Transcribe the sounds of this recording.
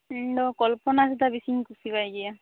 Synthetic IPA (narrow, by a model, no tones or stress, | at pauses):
dɔkɔlpɔnasut̪abisiŋkusibajɡija